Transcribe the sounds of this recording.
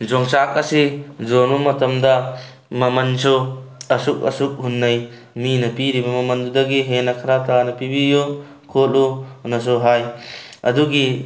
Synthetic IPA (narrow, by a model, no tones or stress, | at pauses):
d͡ʒɔŋsak̚asizɔnumɐtɐmda | mɐmɐnsʰɔɐsuk̚ɐ̰suk̚ɦunːaj | minɐpiɾibɐmɐmɐnd̪ud̪ɐɡiɦenakʰaɾatanɐpibijo | kʰolunɐs̬ɔɦajɐ̰d̪uɡi